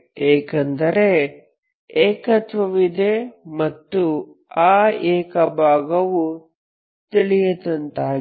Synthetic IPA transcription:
eːkɐnd̪ɐɾe | eːkɐt̪ʋɐʋid̪emɐt̪ːu | aːeːkɐbʱaːɡɐʋu | t̪iɭijɐt̪ɐnt̪aː

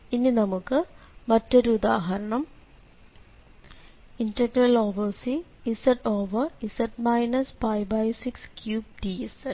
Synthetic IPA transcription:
inːinɐmukːɨmɐtːoɾuud̪aːɦɐɾɐɳɐm | inʈɐɡrɐloːʋɐrsiː | sɐʈoːʋɐisɐʈmɐjnɐspɐjbɐjsikskjuːb̚ʈiesɐ

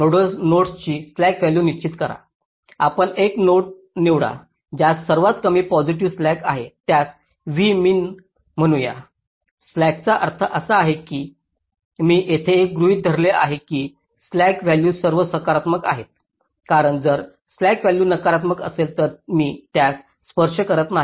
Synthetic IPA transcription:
noɽəsnoʈst͡ɕiːslækʋæljuːniɕt͡ɕit̪kəɾa̰ | apəɳeknoʈ̚ | niʋɽa̰ | d͡ʑasəɾʋat̪kəmiːpɔd͡ziʈ̬iʋslækaɦet̪jat͡s | ʋiːmiːn | m̤əɽ̃ũja̰ | slæk̚t͡saʔə̰ɾt̪ʰəʔəsaːɦekiː | miːʔet̪ʰeːk̚ɡɾuɦiːt̪̚d̪ʱəɾlea̰ɦekiː | slækʋæljuːsəɾʋəsəkaɾat̪məka̰ɦet̪̚ | kaɾəɳd͡zəɾ | slækʋæljuːnəkaɾat̪məkə̰selt̪əɾmiːt̪jasː | pəɾʂəkəɾət̪naɦ

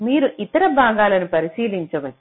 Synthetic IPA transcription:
miːɾuʔit̪ɐɾɐbʱaːɡaːlɐnupɐɾisiːliɲt͡ʃɐʋɐ

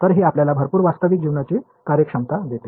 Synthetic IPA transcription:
t̪əɾɦeapljalabʱəɾpuːɾʋast̪əʋik̚d͡ʑiʋnat͡se | kaɾjəkʂəmt̪ad̪et̪e

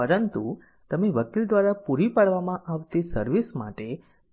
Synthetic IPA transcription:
pəɾənt̪u | t̪əmeʋəkild̪ʋaɾapuɾipaɽʋamãʔaʋt̪esəɾʋisma̰ʈe

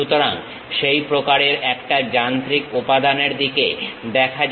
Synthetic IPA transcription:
ut̪oɾa̰ŋ | ʃejpɾokaɾeɾɛkʈad͡ʑant̪ɾikupad̪aneɾd̪ikḛd̪ɛkʰa

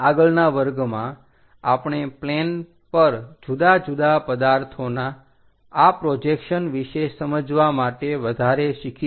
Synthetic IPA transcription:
aɡəɭnaʋəɾɡmã | apɳ̃eplen | pəɾd͡ʒud̪ad͡ʒud̪apəd̪aɾt̪ʰonaː | pɾod͡ʒekʃənʋiʃesəməd͡ʒʋamaʈeʋəd̪ʱaɾeʃikʰi

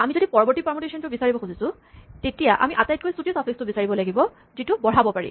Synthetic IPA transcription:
amizodipɔɹɔbɔɹtipɔmɔtesɔntʊbisaɹibɔkʰxuzisʊ̃ | tetijaʔa̰miʔatajt̚kojstutiosapʰikstʊbisaɹibɔlaɡibɔ | zitʊbɔɹabɔpaɹḭ

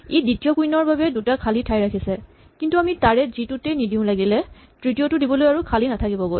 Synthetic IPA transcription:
editijɔkujnɔɹbabɛdutakʰalitʰajɹakʰisɛ | kintuamitaɹɛzitutɛnidʱiʊ̃laɡilɛ | tɹitijotʊdibɔlojaɹukʰalinatʰakibɔɡoj

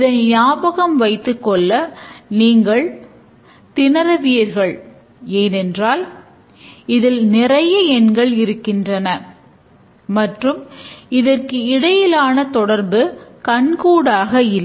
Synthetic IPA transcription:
ɪðɐnjaːbɐɣɐmʋɐɪt̪ːɯkːɔɭːɐniːŋɡɐɭ | t̪ɪnɐɾɐʋɪjɐɾɣɐɭ | eːnɛndraːl | ɪðɪlnɪrɐjɐɛnɡɐɭɪɾɯkːɪndrɐnɐ | mɐʈrɯmɪðɐrkɯɪɽɐjɪlaːnɐt̪ɔɽɐɾbɯkɐɳkuːɽaːɣɐɪlː

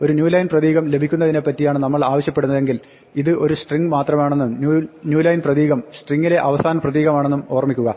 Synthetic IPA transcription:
o̞ɾunjuːlɐjnprɐðiːɣɐmle̞bʱikʲːunːɐðine̞pːɐtːijaːɳɨnɐmːɐɭaːʋɐɕjɐpːe̞ɽunːɐðe̞ŋɡil | iðɨʔo̞ɾusʈriŋɡɨmaːt̪rɐmaːɳe̞nːumːnjuːlɐjnprɐðiːɣɐmsʈriŋːile̞ʔɐʋɐsaːnɐprɐðiːɣɐmaːɳe̞nːumo̞ːrɐmikʲːuɣɐ

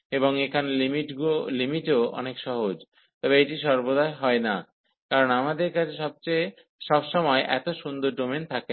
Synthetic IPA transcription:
eboŋekʰanlimiʈɡuolimiʈeoɔ̰nekʃɔɦod͡ʑ | t̪ɔbeeʈiʃɔɾbod̪aeɦɔena | kaɾonamad̪eɾkat͡ɕʰeʃɔb̚t͡ɕej | ʃɔbʃɔmɔeʔɛ̰t̪oʃund̪oɾɖoment̪ʰake

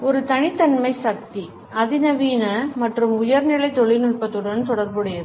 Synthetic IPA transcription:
ɔɾɯt̪ɐɳɪt̪ːɐnmɐɪsɐk̚t̪i | ɐðɪnɐʋiːnɐmɐʈrɯmʊjɐɾnɪɭɐɪt̪ɔɭɪnʊɭpɐt̪ːɯɽɐnt̪ɔɽɐɾbɯɽɯjɐðɯ

